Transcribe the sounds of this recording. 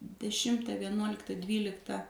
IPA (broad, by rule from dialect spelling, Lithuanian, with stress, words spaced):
dʲɛˈʃʲɪmtɐ ʋʲiɛˈnuɔlʲɪktɐ ˈdʲʋʲiːlʲɪktɐ